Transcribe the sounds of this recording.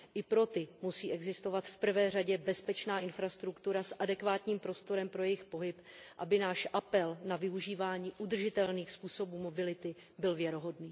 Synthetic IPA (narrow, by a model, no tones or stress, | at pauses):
ʔɪpɾo̞t̪ɪmusiːʔɛɡzɪst̪o̞vat̪fpr̩vɛːr̝aɟɛbɛspɛt͡ʃnaːʔɪnfɾast̪ɾukt̪uɾasʔadɛkvaːt̪ɲiːmpɾo̞st̪o̞ɾɛmpɾo̞jɛjɪxpo̞ɦɪpʔabɪnaːʃʔapɛlnavɪuʒiːvaːɲiːʔud̪r̩ʒɪt̪ɛlniːxspuːso̞buːmo̞bɪlɪt̪ɪ | bɪlvjɛɾoɦo̞dniː